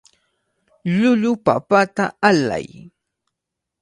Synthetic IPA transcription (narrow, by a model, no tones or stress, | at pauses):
ʎʊʎʊpapat̪aala̰j